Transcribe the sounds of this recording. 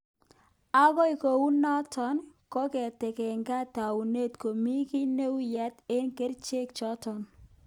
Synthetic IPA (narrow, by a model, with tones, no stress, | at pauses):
a˦ɡɔ˦i˨ko˨wu˦nɔ˦tɔ˨˦nkɔ˦kɛ˨tɛ˨kɛ˨ŋka˦ta˨wu˨ne˦˨tko˨mi˦ki˦ne˦wjɛ˦tɪ˦nke˦ɾt͡ʃe˦k̚t͡ʃɔ˦tɔ˨n